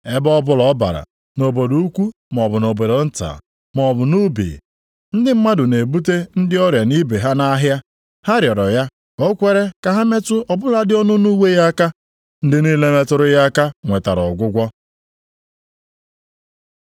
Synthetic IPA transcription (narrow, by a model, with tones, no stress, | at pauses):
e˦bɔɔ˦bʊ˦lɔ˨˦ba̰˨ɾa̰˨ | no˨bo˨du˨u˦kʷu˦ | m˨ɔ˨bʊ˨no˨bo˨do˨n̩˦ta̰ː˨ | mɔ˨bʊ˨nu˦bḭ˨ | n̩˦dɪ˦m̩˦ma˦dʊ˨ne˨bu˦te˦n̩˦dɪ˦ɔ˦ɾja˨ni˦be˨ɦa˦na˦ɦja˦ | ha˦ɾjɔ˨ɾɔ˨ja˦ | o˦kʷe˦ɾe˦ka˨ɦa˦me˦tʊ˦ɔ˨bʊ˦la˨dɪ˦ɔ˦nʊ˦nu˦we˦ja˦ka˦ | n̩˦dɪ˦ni˦le˦me˦tʊ˦ɾʊ˦ja˦ka˦ŋʷe˨ta̰˨ɾɔ̰˨ɡʷʊ˦ɡʷɔ˦